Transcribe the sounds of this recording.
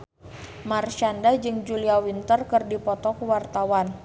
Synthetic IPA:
marʃandad͡ʒɨŋd͡ʒuliawint̪ərkɨrdipɔt̪ɔkəwart̪awan

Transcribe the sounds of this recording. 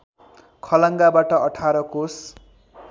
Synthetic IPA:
kʰʌlʌŋɡabaʈʌʔʌʈʰaɾʌkos

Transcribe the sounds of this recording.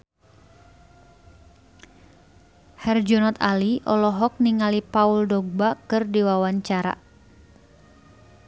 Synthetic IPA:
hɛrd͡ʒɔnɔt̪aliʔɔlɔɦɔk̚niŋalipauldɔɡ̚bakɨrdiwawaɲt͡ʃaɾa̰

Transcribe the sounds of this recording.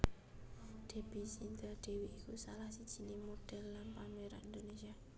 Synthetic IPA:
d̥e̤b̥i̤sind̪aɖ̪̥e̤wiʔːkusalahsid̥ʒ̥i̤nemoɖ̥ɛ̤lːanpamweɾa̰ʔind̪onesia

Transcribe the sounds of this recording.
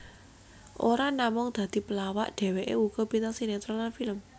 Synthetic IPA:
ʔoɾanamʊŋd̪̥ä̤d̪̥i̤pəlawaʔɖ̪̥ɛ̤weʔḛuɡ̥ɔpinaŋsinɛt̪ɾɔlanfiləm

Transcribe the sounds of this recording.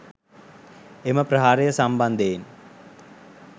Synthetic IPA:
eməpɾɐɦaːɾejəsamband̪een

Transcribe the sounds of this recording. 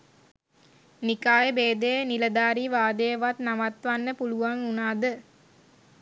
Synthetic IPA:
nikaːjɐbeːd̪ejnilɐd̪aːɾiʋaːd̪ejʋat̪nɐmɐt̪ʋanːəpuluʋaŋunaːd̪ə

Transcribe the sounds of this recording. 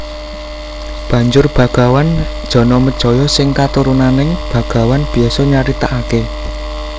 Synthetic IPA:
b̥ä̤ɲd͡ʒʊrb̥ä̤ɡ̥a̤wand̥ʒ̥ɔ̤nɔməd̥ʒ̥ɔ̤jɔsɪŋkat̪uɾunanɪŋb̥ä̤ɡ̥a̤wanb̥i̤asɔɲaɾit̪aʔake

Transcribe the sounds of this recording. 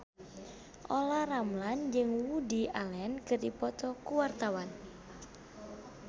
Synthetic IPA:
ʔolaramland͡ʒɨŋwudialɛnkɨrdipɔt̪ɔkuwart̪awan

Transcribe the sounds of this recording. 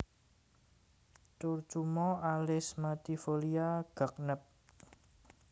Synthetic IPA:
t͡ʃurt͡ʃumɔalɪsmat̪ifoliaɡ̥a̤k̚nəp̚

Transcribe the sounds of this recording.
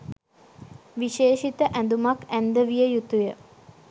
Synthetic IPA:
ʋiʃeːʃit̪əʔæ̃nd̪umakænd̪əʋijəjut̪ujə

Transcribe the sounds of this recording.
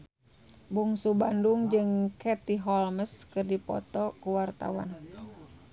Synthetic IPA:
buŋsubanduŋd͡ʒɨŋkɛt̪iɦɔlməskɨrdipɔ̰t̪ɔkuwart̪a̰wa̰n

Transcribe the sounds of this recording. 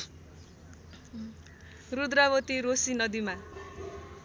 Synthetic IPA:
rud̪ɾabʌt̪iɾosinʌd̪ima

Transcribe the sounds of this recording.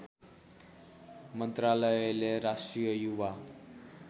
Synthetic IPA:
mʌnt̪ralʌjleɾasʈrijʌjuwa

